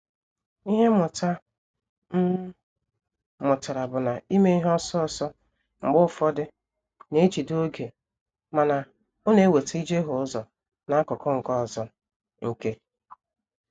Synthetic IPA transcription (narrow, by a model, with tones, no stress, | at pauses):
i˦ɦe˦mʊ˨ta˦ | mʊ˨tʊ˨ɾa˨bʊ˨na˨i˦me˦i˦ɦɔ˦sɔ˦ɔ˨sɔ˦ | ŋ͡m̩˨ɡ͡bʊ˦˨fɔ˦dɪ˦ | ne˦t͡ʃi˨do˦ɡe˨ | ma˨na˨ | o˦ne˨˦˨we˨te˦i˦d͡ʒe˦ɦʊ˨˦ʊ˦zɔ˨ | na˨˦kʊ˨kɔ˦ŋ̩˨kɔ˦˨zɔ˦ | ŋ̩˨ke˦